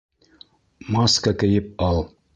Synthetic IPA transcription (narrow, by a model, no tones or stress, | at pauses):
mɑskəkɘ̆jɘp̚ɑlˠ